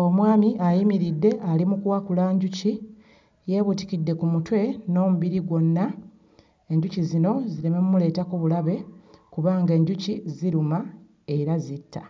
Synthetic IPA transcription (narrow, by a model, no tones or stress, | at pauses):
o̞mwaːmiʔajimiɾidːe̞ʔalimukuwakulaːɲɟuci | je̞βuti̥kidːe̞kumutwe̞no̞ːmuβiɾiɡwo̞nːa | e̞ɲɟucizino̞ziɾe̞me̞mumule̞ːtakuβulaβe̞kuβaːŋɡe̞ːɲɟuciziɾuma | e̞ɾazitːa